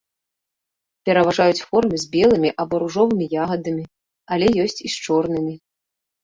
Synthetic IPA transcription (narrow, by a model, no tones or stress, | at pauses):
pʲɛɾɐvaʐajut͡sʲfɔrmɨzʲbʲɛlˠɨmʲiʔɐbɔɾuʐɔvɨmʲijaɣɐd̪ɐmʲi | alʲɛjɔsʲt͡sʲist͡ʂɔrnɨmʲi